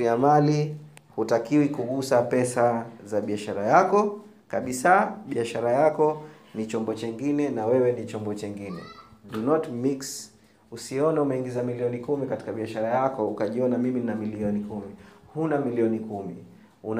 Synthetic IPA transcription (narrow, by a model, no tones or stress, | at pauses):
iamalihutakiwikuɠusapɛsazaɓiaʃaɾajakɔ | kaɓisaɓiaʃaɾajakɔ | nit͡ʃɔmbɔt͡ʃɛŋɡinɛnawɛwɛnit͡ʃɔmbɔt͡ʃɛŋɡinɛ̰dunɔtmiks | usiɔnaumɛiŋɡizamiliɔnikumikati̥kaɓiaʃaɾajakɔukaʄiɔnamiminamiliɔnikumihunamiliɔnikumi | un